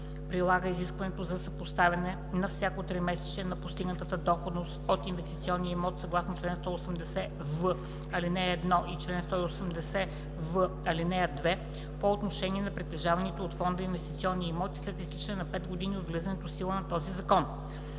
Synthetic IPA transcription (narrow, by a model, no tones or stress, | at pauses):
pɾilˠaɡəiziskvɐnɛt̪ozɐsəpost̪avʲɐnɛ | nɐfsʲjakot̪ɾimɛsɛ̥t͡ʃɛnɐpost̪iɡnət̪ət̪əd̪ɔxod̪nost̪ot̪invɛst̪it̪siɔnːiəimɔt̪sɐɡlˠasnot͡ʃlɛnst̪ɔosɛmd̪ɛsɛ | və | ɐlinɛɛd̪nɔʔit͡ʃlɛnst̪ɔiosɛmd̪ɛsɛ | və | ɐlinɛɐd̪vɛ | poot̪noʃɛniɛnɐpɾit̪ɛʒavɐnit̪oot̪fɔnd̪əinvɛst̪it̪siɔnːiimɔt̪i̥slɛt̪ist̪it͡ʃɛnɛnɐpɛd̪ɡod̪iniod̪ɡlizɐnɛt̪osilˠənɐt̪ɔzizɐkɔn